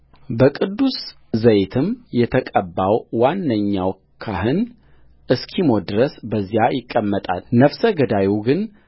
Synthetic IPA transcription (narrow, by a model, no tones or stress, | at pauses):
bəkʼɨd̪ːus | zəjet̪ʰɨmjɛt̪ʰəkʼəbːawwanːəɲːaw | kʰaɦɨn | ʔɨskʰimo̞d̪ɨɾəsbəzːijajɪkʼːəmːət̪ʼa̰lnəfsəɡəd̪awuɡɨn